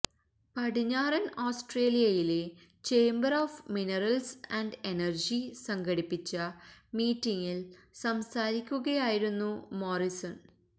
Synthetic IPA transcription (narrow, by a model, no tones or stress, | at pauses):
pɐɽiɲːaːɾɐnoːsʈre̞ːlijɐjile̞ | t͡ɕe̞ːmbɐroːfminɐrɐlsɐɳɖenɐrd͡ʑisɐŋɡɐɽipːit͡ɕːɐmiːtːiŋːilsɐmsaːɾikʲːuɣɐjaːjiɾunːumo̞ːrisɐn